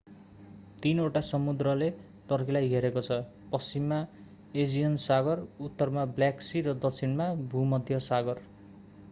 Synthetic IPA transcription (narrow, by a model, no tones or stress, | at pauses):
t̪inoʈasʌmud̪ɾʌle | ʈʌrkʰilajɦeɾekot͡sʰʌ | pʌst͡simːa | ed͡zijʌnsaɡʌrut̪ːʌrmabljaksiɾʌd̪ʌk̚t͡sʰinmabʱumʌd̪ʱjʌsaɡʌr